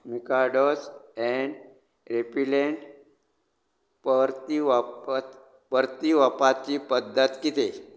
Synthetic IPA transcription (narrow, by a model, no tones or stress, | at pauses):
mikaɖosɛɳɖ | ɾepileɳʈ | pɾt̪iʋapt̪ | pəɾt̪iʋəpat͡ɕipəd̪ʱːət̪kit̪e